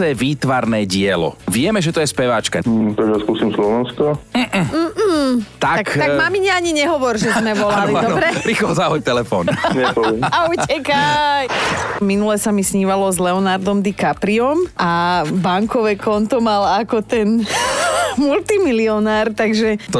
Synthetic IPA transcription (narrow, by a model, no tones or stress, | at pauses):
ɛːʋiːt̪ʋaɾnɛːɟɪɛlɔ̰ʋɪɛmɛʒɛt̪ɔjɛspɛʋat͡ʃka̰t̪aɡʒaskusimslɔʋɛnskɔm̩ | t̪aakt̪amamiɲɛaɲiɲɛɦɔʋɔɾʒɛzmɛʋɔlalid̪ɔbɾɛpɾixlɔzaɦɔt̪ɛlɛfɔ̰ːnɛpɛaut͡ɕʰɛkajminulɛsamisɲiːʋalɔzlɛɔnaɾd̪ɔmd̪ikapɾiɔmʔabaŋkɔʋɛkʰɔnt̪ɔmalakɔt̪ɛn | mult̪imiliɔnaːɾt̪aɡʒɛt̪ɔ